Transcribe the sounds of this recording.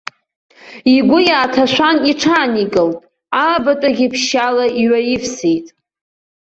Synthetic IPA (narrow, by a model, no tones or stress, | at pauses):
iɡʷʊjaːtʰaʃʷaniʈ͡ʂʰaːniɡʼɨltʼ | abatʼaɡʲɪpʰʃalaiɥajifsejtʼ